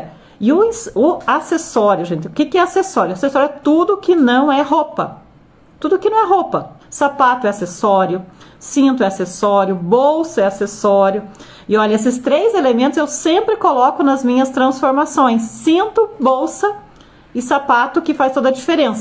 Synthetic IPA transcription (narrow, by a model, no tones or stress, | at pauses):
ɪʊĩsʊasesɔɾjʊʒẽnt͡ʃɪʊkɪkɪɛasesɔɾjʊasesɔɾjʊɛt̪ud̪ʊkɪnɐ̃w̃ɛhopɐ̰ | t̪ud̪ʊkɪnɐ̃w̃ɛɦopɐsapat̪ʊɛasesɔɾjʊsĩnt̪ʊɛasesɔɾjʊbowsɐɛasesɔɾjʊ | ɪɔʎɐes̬ɪst̪ɾejzelemẽnt̪ʊzewsẽmpɾɪkolɔkʊnɐzmĩɲɐst̪ɾɐ̃sfoɾmasõj̃sːĩnt̪ʊbowsɐ | ɪsapat̪ʊkɪfajst̪od̪ɐd͡ʒifeɾẽsɐ